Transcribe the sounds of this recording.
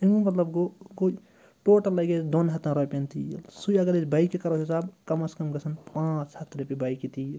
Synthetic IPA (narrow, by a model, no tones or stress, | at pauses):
imumɐt̪lɐbɡoɡo | ʈoːʈɐlːɐɡed̪onɦɐt̪ãɾopent̪ilsujɐɡɐɾet͡ʃbaːikikɐɾɐɦisaːbkɐmɐskɐmɡɐsʰɐnpãːt͡ʃhɐt̪ʰːɾepebaːikit̪iːl